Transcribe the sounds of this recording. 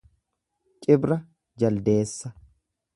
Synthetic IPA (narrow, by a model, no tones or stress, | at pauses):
t͡ʃʼɪbɾɐ | d͡ʒɐld̪e̞ːsːɐ